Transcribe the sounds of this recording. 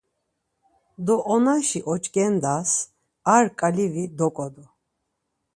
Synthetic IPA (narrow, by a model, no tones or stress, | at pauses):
d̪ɔʔɔnaʃiʔɔt͡ʃʼɡʼɛnd̪as | aɾkʼalivid̪ɔkʼɔd̪ɔ